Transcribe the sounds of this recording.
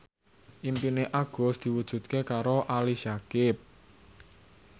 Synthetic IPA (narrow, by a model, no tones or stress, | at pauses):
ʔimpineʔaɡ̥ɔ̤sd̪̥i̤wud̥ʒ̥ṳt̪̚kekaɾoʔaliʃakɪp̚